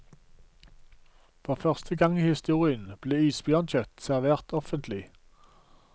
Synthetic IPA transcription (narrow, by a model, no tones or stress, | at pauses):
fɔʁfœʁst̪ʰəɡɑŋiːhɪst̪uːʁɪənb̥leːiːsb̥jœːʁnçœt̪sæʁʋeːʁt̪ɔfənt̪lɪ